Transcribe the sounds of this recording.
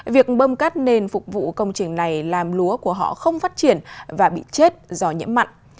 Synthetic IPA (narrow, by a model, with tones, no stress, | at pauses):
vi˨˩ək̚ɓəː˧mkaː˦˥t̚ne˧nfʊ˨˩k͡p̚vṵ˧˨kə˧wŋ͡mt͡ɕï˨˩ŋ̟na˨˩jlaː˨˩mlu˨˦əku˧˩əɦɔ̰˧˨xə˧wŋ͡mfaː˦˥t̚t͡ɕi˧˩ənvaː˨˩ɓḭ˧˨t͡ɕe˦˥t̚zɔ˧ɲɨ̰˧˥mːa̰˧˨jŋʔ